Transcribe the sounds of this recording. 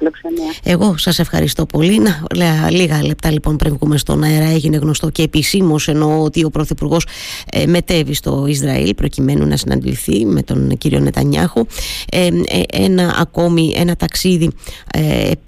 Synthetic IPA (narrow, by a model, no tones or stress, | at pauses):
loksɐne̞ɣo̞sɐse̞fxɐ̰ɾḭst̪o̞po̞linɐlliɣɐle̞p̚t̪ɐlipo̞npɾiɱɣumest̪o̞̰nɐeɾɐe̞ʝine̞ɣno̞st̪o̞ce̞ːpisimo̞se̞no̞ot̪io̞pɾo̞θipuɾɣo̞seme̞t̪e̞vist̪o̞̰izɾɐ̰ḭlpɾo̞cime̞nṵnɐ̰sinɐ̰nd̪ḭθime̞t̪o̞̰nciɾio̞̰ne̞t̪ɐ̰ɲɐ̰xueenɐʔɐ̰ko̞miʔe̞̰nɐt̪ɐksiðḭ